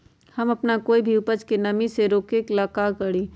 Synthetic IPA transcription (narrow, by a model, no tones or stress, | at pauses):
hɐmɐpnakoːibʱiʊpət͡ʃkenɐmiseɾoːkeklaːkaːkɐɽiː